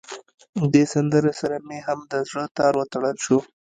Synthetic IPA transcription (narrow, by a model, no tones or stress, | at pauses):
d̪esand̪əɾesaɾameɦamd̪əzɽət̪ɑɾwət̪aɽəlʃu